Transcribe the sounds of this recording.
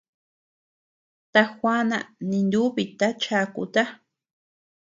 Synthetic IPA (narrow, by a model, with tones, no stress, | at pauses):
t̪a˧xʷa˦nã̰˧˨nĩ˧nd̪u˦βi˧t̪a˦t͡ʃa˧kṵ˧t̪a˦